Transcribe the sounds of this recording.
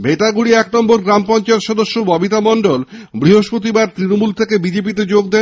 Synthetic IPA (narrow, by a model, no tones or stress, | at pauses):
bʱet̪aɡuɽiɛknɔmboɾɡɾampɔnt͡ɕaet̪ʃɔd̪oʃːobɔbit̪amɔɳɖolbɾiɦoʃpɾot̪ibaɾt̪ɾinomult̪ʰekebid͡ʑep̬it̪ed͡ʑoɡ̚d̪en